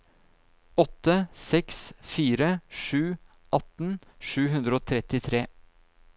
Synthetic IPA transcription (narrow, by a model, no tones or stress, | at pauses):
ɔt̪ːəsɛksfiːɾəʂʉː | ʔɑt̪n̩ʂʉːɦʉnd̪ɾəoːt̪ʰɾɛt̪ɪt̪ʰɾeː